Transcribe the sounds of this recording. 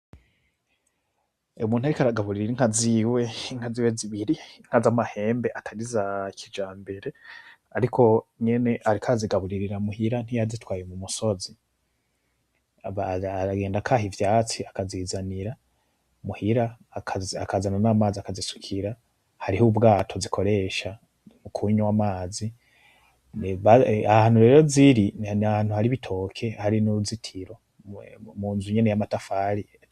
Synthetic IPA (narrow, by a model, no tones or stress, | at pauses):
umuːn̥haɾikaɾaɡaβuɾiɾiɾiŋ̥aziwe̞ŋ̥haziweziβiɾiŋ̥azamahe̞ːmbe̞ʔatʰaɾizakʰid͡ʒaːmbe̞ɾe̞ | aɾikʰo̞ɲe̞ne̞ʔaɾikʰaaziɡaβuɾiɾiɾamuhiɾan̥hijazitwaːjemumuso̞zi | βaɾaɡeːndakʰaɦivjaːt͡siakaziːzaniɾa | muhiɾakʰazakʰazananamaːziakazisu̥kʰiɾa | haɾihubɡaːtʰo̞zikʰo̞ɾe̞ʃa | mukʰuːɲuwamaːzi | nβaahahaːn̥huɾe̞ɾo̞ziɾiahaːn̥huhaɾiβitʰo̞kʰe̞haɾinuuzitʰiɾo̞ | muːnzuɲenejamatafaːɾi